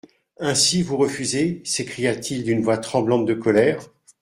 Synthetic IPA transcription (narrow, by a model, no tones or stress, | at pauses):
ɛ̃sivuʁəfyzesekχijat̪ʰild̪ynvwat̪χɑ̃blɑ̃t̪̚d̪əkɔlɛːʁ